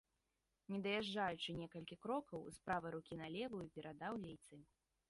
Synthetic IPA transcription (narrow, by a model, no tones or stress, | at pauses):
nʲɛd̪ɐjaʐd͡ʐajut͡ʂɨnʲɛkɐlʲkʲikɾɔkɐwspɾavɨɾukʲinalʲɛvɐjpʲɛɾʔad̪awlʲɛjt̪sɨ